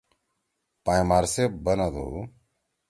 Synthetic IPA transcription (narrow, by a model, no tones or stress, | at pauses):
pãːj̃maːɾseːbənãd̪o̰ː